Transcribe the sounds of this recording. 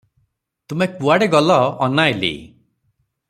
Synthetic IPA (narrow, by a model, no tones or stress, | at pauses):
t̪umekuaɽeɡɔlɔːnajlḭ